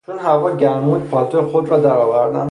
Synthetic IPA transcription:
t͡ʃʰonɦævɒːɟæɾmud̪̚pʰɒːlt̪ʰoexod̪ɾɒːd̪æɾɒːvæɾd̪æ̰n

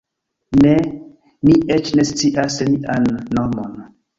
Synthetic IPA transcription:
ne | miʔet͡ʃne̞st͡siʔasmiʔanːomo̞n

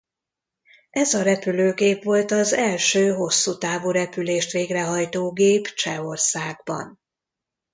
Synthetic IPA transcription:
ʔɛzɒɾɛpyløːɡeːpʋo̞lt̪ɒzɛlʃøːɦo̞sːut̪aːvuːɾɛpyleːʃt̪ʋeːɡrɛɦɒjt̪oːɡeːpt͡ʃɛo̞rsaːɡbɒ̰n

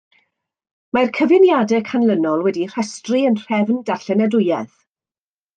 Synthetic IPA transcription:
markʰəvɪnjadɛkʰanlˠənɔlˠwɛdir̥ɛstriənr̥ɛvndaɬɛnɛdʊjɛθ

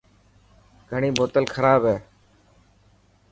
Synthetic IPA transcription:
ɡʱəɳiːboːt̪əlkʰəɾaːbɦeː

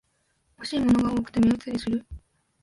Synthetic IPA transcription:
hoɕiːmo̞no̞ɡaoːkɯ̟̥t̪e̞mʲeɯ̟t͡sɨɾʲisɨɾɯ̟

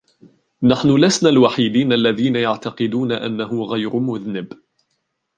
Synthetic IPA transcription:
naħnʊlasnaːlwaħɪd̪iːnʔalːaðiːnajaʕt̪aqɨd̪uːnaʔa̰nːahʊɣajɾʊmʊðnɪb

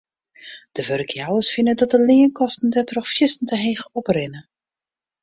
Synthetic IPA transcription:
d̥əʋørkjawəsfɪnədɔt̚dəlɪːənkʰɔstn̩dɛtrɔxfjɪstn̩dəɦeːxɔprɪnə

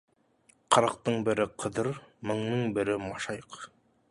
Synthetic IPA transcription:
qʰɑɾɑq̚t̪ɤɴbɘ̆ɾɘqʰɤ̆ðɤɾmɤ̆ɴnɤɴbɘ̆ɾɘmɑʃɑjɤq

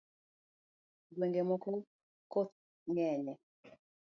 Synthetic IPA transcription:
ɡweŋɡemɔkɔ | kot̪ | ŋɛɲɛ

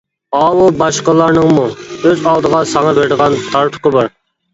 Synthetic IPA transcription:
ɑːwubɑʃqəlˠɑɾnəŋmuøzɑlˠd̪əʁɑsɑŋɑbɪɾd̪əʁɑnt̪ʰɑɾt̪ʰʊ̥qəbɑɾ

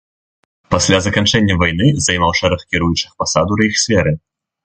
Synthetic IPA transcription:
pasʲlʲazɐkant͡ʂɛnʲːɐvajn̪ɨzɐjmawʂɛɾɐxkʲiɾujut͡ʂɨxpasad̪uɾɐixsʲfʲɛɾɨ

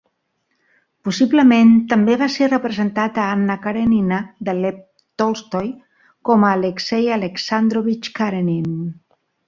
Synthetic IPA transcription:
pusiβləment̪əmbeβaserəpɾəzənt̪at̪aanːakaɾeninad̪əlɛp̚ | t̪olst̪oj | kɔmaːleksejaleksand̪ɾoβit͡ʃkaɾenin

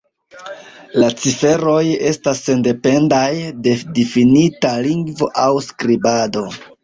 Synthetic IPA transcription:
lat͡sife̞ɾo̞je̞stasːe̞nde̞pe̞ndajde̞difinitaliŋɡvo̞ʔawskɾibado̞

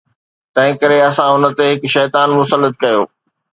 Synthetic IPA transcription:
t̪ɐ̃ɦɪ̃kɐɾeɐsãʊnə̆t̪eɦɪkʃɛːt̪aːnmʊsəlːət̪̚kɐjoː

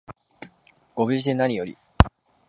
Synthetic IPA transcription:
ɡ̥o̞bɯ̟ʑid̪e̞naɲ̟ʲijo̞ɾʲḭ

